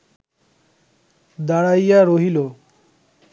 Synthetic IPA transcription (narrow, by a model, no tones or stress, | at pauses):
d̪aɽajaɾoɦilo